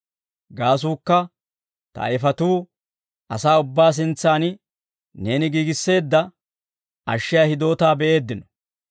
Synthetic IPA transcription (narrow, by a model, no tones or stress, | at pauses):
ɡaːs̬uːkːɐ | t̪ɐ̰ɐ̰ɪfɐt̪uː | ɐsaːʊbːaːs̬ɪnt͡sːaːn | ne̞ːnɪɡiːɡɪsːe̞ːd̪ːɐ | ʔɐ̰ʃːɪjɐhɪd̪o̞ːt̪aːbɛʔe̞ːd̪ːɪnɔ̥